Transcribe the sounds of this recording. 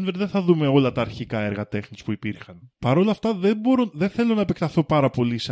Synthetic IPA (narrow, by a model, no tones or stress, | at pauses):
nveɾðeθɐðume̞o̞lɐt̪ɐːɾçikɐe̞ɾɣɐt̪e̞xnispuipiɾxɐnpɐɾo̞lɐft̪ɐðeboɾoðenθe̞lo̞nɐepekt̪ɐθo̞pɐɾɐpo̞lis